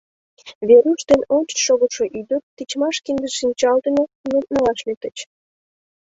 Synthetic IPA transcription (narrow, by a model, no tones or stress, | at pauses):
βeɾuʃt̪enonʲt͡ɕə̥ʃoɣəʃoʔyd̪ət̪ːit͡ɕmɑʃkiŋɡəzʃinʲt͡ɕɑlt̪ənonut̪̚nəlɑʃlet̪ət͡ɕ